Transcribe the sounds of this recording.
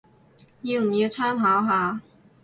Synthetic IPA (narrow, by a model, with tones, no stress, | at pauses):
jiː˧wm̩˨˩jiː˧wt͡sʰœː˥mɦaː˨˥wɦaː˨˧